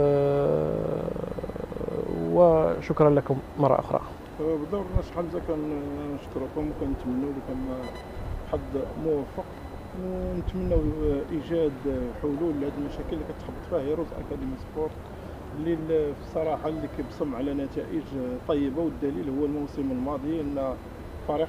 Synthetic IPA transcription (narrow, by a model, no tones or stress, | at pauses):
wəʃʊkɾˤɑnlækʊmmɑrˤːɑ̰ʔʊ̰xɾˤɑ̰ | bd̪ɑɾnæsħalzækænnəʃt̪ɾukʊmkænːət̪mənːuwlikæm | ħad̪ːmʊwæfːəq | wnət̪mənːæwʔiʒæd̪ħʊlulhæd̪əlmæʃækəlːikæt̪ħəbːət̪ˤfihəjæɾˤozʔæ̰kæd̪əmispoɾˤ | lilfisˤɑɾˤɑħalːikæbsˤɑmːʕlænæt̪æʔəʒt̪ˤɑjːəbawəd̪ːælilhʊwːælmuwsəməlmɑd̪ˤijaʔənːæ | fˤɑɾi